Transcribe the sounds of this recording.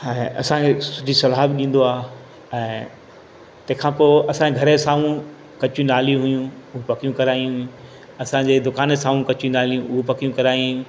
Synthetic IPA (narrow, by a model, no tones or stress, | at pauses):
ɛ̃ɐ̰sãkʰesʊd͡ʑʱisɐlaːbɗĩːn̆d̪oaː | ɛ̃ː | t̪ɐ̃ɦɪ̃kʰãːpoːʔɐsãeɡʱɐɾəsaːʋũ | kɐt͡ɕũnaːlijũɦʊjũʊɦũpɐkijũkɐɾaːijũɦʊjũ | ɐsãd͡ʑeːd̪ʊkaːnəsaːʋũkɐt͡ɕũnaːlijũʔʊɦopɐkijũkɐɾaːjũ